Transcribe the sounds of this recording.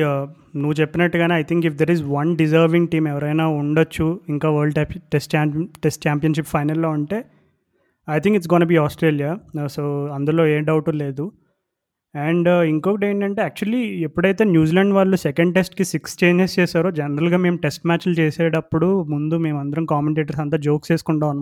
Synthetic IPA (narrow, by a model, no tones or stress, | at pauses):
nuʋːut͡ʃepːinɐʈːuɡaːniɐjt̪ʰiŋkip̚d̪eːɾizʋɐnɖizɐɾʋiŋɡʈiːmɛʋɐɾɐjnaːuɳɖɐt͡ʃːuiŋkaːʋɐːɾɖʈʈesʈ̚t͡ʃaːʈesʈ̚t͡ʃaːmpijɐnʂ̬ipfʰɐjnɐlːo̞ːuɳʈe̞ː | ɐjt̪ʰiŋkiʈs̬ɡɔːnɐbiːaːsʈɾeːlijaːsoːɐnd̪ulo̞ːeːɖɐwʈule̞ːd̪u | ɛɳɖiŋkoːkiʈeːɳʈɐɳʈe̞ːaːk̚t͡ʃuɐliepːuɽɐjt̪e̞ːnjuːzilɐɳɖʋaːɭːusɛkɐɳɖʈe̞sʈkisikst͡ʃeːɲd͡ʒest͡ʃɛːsaːɾoːd͡ʒɛnɐɾɐlɡaːme̞ːmuʈesʈmaːt͡ʃlut͡ʃeːseːɽɐpːuɽumund̪ume̞ːmɐnd̪ɐɾɐmkaːmeɳʈeːʈɐɾsɐnt̪̬ɐd͡ʒoːkseːsu̥kuɳʈaːunːa